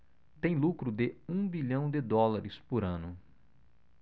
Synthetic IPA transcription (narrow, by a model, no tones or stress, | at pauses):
t̪ẽj̃lukɾʊd̪ɪũbiʎɐ̃w̃d̪ɪd̪ɔlaɾɪspʊɾɐ̃nʊ